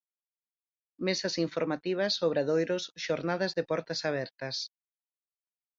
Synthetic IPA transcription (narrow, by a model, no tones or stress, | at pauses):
mesɐsiɱfoɾmat̪iβ̞ɐsoβɾaðojɾʊsʃoɾnaðɐzðɪpɔɾt̪ɐsaβ̞ɛɾt̪ɐs